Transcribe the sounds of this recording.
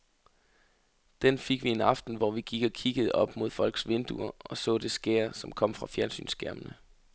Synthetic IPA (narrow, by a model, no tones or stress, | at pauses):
d̥enfe̝ɡ̥ʋie̝nɑ̈fd̥n̩ʋɒʋiɡ̥iɡ̥ɒ̽kʰiɡ̥əð̞̩ˠɒ̽b̥mo̝ð̞̰ˠfɒ̽l̰ɡ̥sʋe̝nd̥uɐɒ̽sɔ̰̽ːd̥e̝sɡ̥eɐsɒ̽mkʰɒ̽m̰fʁɑ̈fjæɐnsy̰ːnsɡ̥æɐmənə